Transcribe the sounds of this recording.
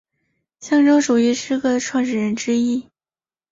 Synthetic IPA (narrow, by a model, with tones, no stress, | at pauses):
ɕjɑ˥˧ŋʈ͡ʂo˥ŋʂu˨˩y˧˥ʂɻ̩˥kɤ˥˩˨ʈ͡ʂʰwɑ˥˧ŋʈ͡ʂɻ̩˥˩ɻə˧˥nʈ͡ʂɻ̩˥i˥˩